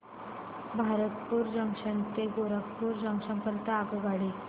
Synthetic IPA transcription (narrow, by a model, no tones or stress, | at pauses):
bʱaɾət̪̚puːɾd͡ʑəŋkʂənt̪eɡoɾəkpuːɾd͡ʑə̃ŋkʂə̃mpəɾt̪aakoɡaɽi